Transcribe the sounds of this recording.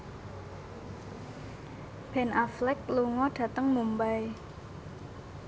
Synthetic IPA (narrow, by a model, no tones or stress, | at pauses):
b̥ɛ̤nʔaflɛkluŋɔɖ̥ä̤t̪əŋmumbaj